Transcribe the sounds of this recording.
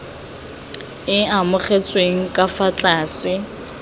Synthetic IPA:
ɪamʊχet͡sʼweŋ̩kʼafat͡ɬʼaːsɪ

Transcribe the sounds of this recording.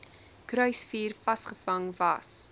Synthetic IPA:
kɾœɥsfiːrfɐsχəfɐŋvɐs

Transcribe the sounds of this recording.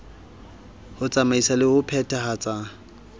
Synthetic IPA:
hʊt͡sʼamaisalɪhʊpʰɛtʰʼaɦat͡sʼa

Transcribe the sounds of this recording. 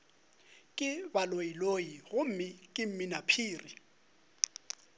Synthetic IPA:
kʼɪbaloilojiɣʊm̩mɪkʼɪm̩mɪnapʰiːri

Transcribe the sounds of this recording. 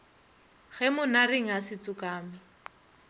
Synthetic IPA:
ɣɛmʊnareŋ̩ɦasɪt͡sʼʊkaːmɪ

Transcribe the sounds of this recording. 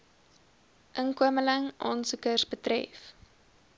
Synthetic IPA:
ʔəŋkuəmələŋʔɑ̰ːnsukərsbətrɛ̰f

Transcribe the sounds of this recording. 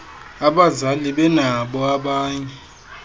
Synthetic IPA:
aɓazaliɓɛnaɓɔaɓaːɲɛ

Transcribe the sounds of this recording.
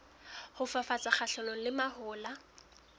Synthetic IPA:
hʊfafat͡sʼaχaɬɔlɔlɪmahʊːla

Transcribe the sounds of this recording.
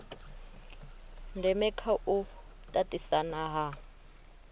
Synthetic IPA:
ndɛmɛkʰaʔu | tʼatʼisanaɦa

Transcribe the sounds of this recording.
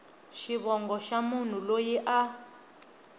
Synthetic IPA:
ʃiβɔŋɡɔʃamun̤ulojiʔa

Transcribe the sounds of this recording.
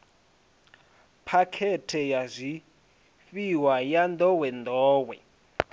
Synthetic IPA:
pʰakʰɛtʰɛjazʷi | fiwajand̪ɔwɛnd̪ɔːwɛ̰

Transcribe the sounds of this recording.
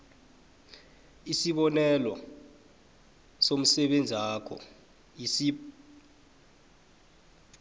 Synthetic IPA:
isiɓɔnɛlɔ | som̩sɛɓend͡zʱaːkʰɔ̰ | isi

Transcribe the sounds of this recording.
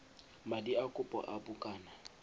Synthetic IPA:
madiakʼʊpʼɔ̰ʔabukʼaːna

